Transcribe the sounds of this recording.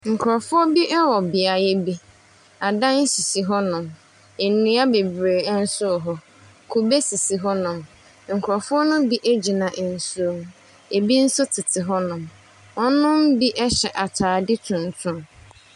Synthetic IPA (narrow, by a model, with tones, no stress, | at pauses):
ŋ̩˨kʰʊ˨ɾɔ˨fʊ˦ɔ˦bi˦ʔɛ˦wɔ˨bɪ˨a˨jɛ˦bi˦ | a˨dã˦n̩˦si˨si˨ɦɔ˦nʊ̃˨m | e˨nĩ˦a˦be˨bɾeː˨˦n̩˦sʊ˦˨ɦɔ˦ | kʰu˨be˦si˨si˨ɦɔ˦nʊ̃˨m | ŋ̩˨kʰʊ˨ɾɔ˨fʊ˦ɔ˦nʊ̃˦bi˦ʔe˦d͡ʑi˨nã˨ʔn̩˨su˦˨˦m | e˨bi˦n̩˦sʊ˦tʰɪ˨tʰɪ˨ɦɔ˦nʊ̃˨m | ɔ˦nʊ̃˦m˦bi˦ʔɛ˦ɕɛ˨ʔa˨tʰaː˨dɪ˦tʰʊ̃˨n˨tʰʊ̃˦m